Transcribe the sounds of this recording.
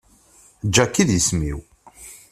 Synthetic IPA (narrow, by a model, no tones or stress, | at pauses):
d͡ʒːækːiðjəsmḭw